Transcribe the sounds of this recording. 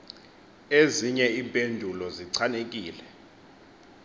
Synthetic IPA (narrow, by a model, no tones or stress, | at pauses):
eziɲɛiɓʱʼendʱulɔziǀʰanek̬ʼiːlɛ